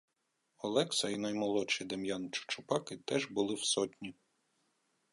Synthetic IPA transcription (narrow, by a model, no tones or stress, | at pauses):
ɔlˠɛksɐinɐjmɔlˠɔt͡ʃid̪ɐmjant͡ʃʊ̥t͡ʃʊpɑkɪt̪ɛʒbʊlˠɪwsɔtʲnʲi